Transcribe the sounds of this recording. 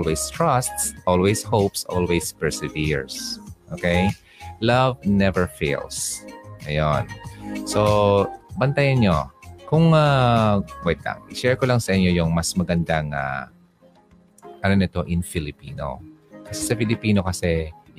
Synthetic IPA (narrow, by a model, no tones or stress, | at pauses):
lwɛjst̪ɹast̪sʔolwɛjshowpsʔo̰lwɛjspɛɹsɛviɹsʔoːkej | lɐvnɛvɛɹfḛlsʔɐ̰jonsobɐnt̪ɐjɐnɲokʊŋa | wɛt̪la̰ŋɪt͡ʃɛɹkolɐŋsɐʔɪɲːo̞jʊŋmɐsmɐɡɐnd̪aŋa̰ | ʔɐnonɪt̪o̞ʔɪŋfɪlɪpḭːno̰kɐsɛsɐfɪlɪpiːno̞kɐsɛ